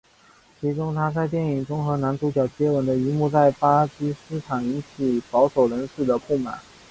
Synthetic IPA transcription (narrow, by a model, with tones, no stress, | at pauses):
t͡ɕʰi˧˥ʈ͡ʂʊ˥ŋt̪ʰa˥t͡sa˥˧ɪt̪jɛ˥˩ni˨˩ŋʈ͡ʂʊ˥ŋxɤ˧˥na˧˥nt̪u˧˥t͡ɕjɑ˨˩ʊt͡ɕjɛ˥wə˧˥nd̪ə˧i˧˥mu˥˧t͡sa˥˩ɪpa˥t͡ɕi˥sɹ̩˥ʈ͡ʂʰɑ˨˩ŋi˧˥nt͡ɕʰi˨˩pɑ˧˥ʊʂo˨˩ʊɻə˧˥nʂɻ̩˥˩d̪ə˩pu˥˩ma̰˨˩˦n